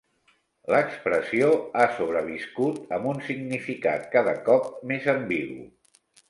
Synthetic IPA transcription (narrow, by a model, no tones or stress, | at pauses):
ləkspɾəsioasoβ̞ɾəβiskut̪əmbunsiɡnifika̰t̪̚kaðəkɔp̚mezəmbiɣṵ